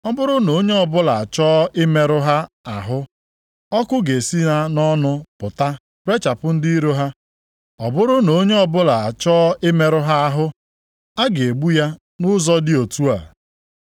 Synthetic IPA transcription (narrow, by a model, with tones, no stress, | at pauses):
ɔ˦bʊ˦ɾʊ˦no˨˦ɲe˦ɔ˨bʊ˦la˨a˨t͡ʃɔː˦ʔɪ˦me˦ɾʊ˦ɦa˦ | a˨ɦʊ˦ | ɔ˦kʊ˦ɡe˨si˦ɦa˦nɔ˦nʊ˦pʊ˨ta˦ | pɾe˦t͡ʃa˨pʊ˦n̩˦di˦i˦ɾo˦ɦa˦ | ɔ˨bʊ˦ɾʊ˦no˨˦ɲe˦ɔ˨bʊ˦la˨a˨t͡ʃɔː˦ɪ˦me˦ɾʊ˦ɦa˦a˦ɦʊ˦ | a˦ɡe˨e˨ɡ͡bu˦ja˦ | nʊ˦zɔ˦dɪ˦o˨tu˦a̰˨